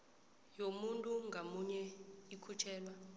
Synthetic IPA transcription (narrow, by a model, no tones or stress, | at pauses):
jomuntʼuŋɡʱamuɲɛikʰut͡ʃʰɛːlwa